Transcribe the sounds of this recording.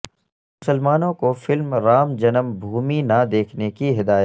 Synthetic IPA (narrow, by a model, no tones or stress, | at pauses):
mʊsəlmaːnõkofɪlmɾaːmd͡ʒɐnəmbʱuːminad̪eːkʰnekiɦɪd̪aːjət̪